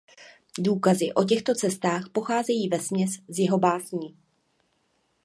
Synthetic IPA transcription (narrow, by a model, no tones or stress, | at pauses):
duːkazɪʔo̞c̬ɛxt̪o̞t͡sɛst̪aːxpo̞xaːzɛjiːvɛsmɲɛszjɛɦo̞baːzɲiː